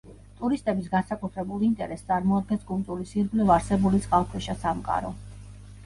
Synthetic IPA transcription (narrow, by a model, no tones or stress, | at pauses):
t̪ʼuɾist̪ʼɛbis̬ɡansakʼut̪ʰɾɛbulˠint̪ʼɛ̰ɾɛst̪sʼaɾmɔad̪̚ɡɛnskʼulˠt̪ʼuɾisiɾɡlivaɾsɛbulit̪sʼqʼalˠkʰwɛʃasamkʼa̰ɾɔ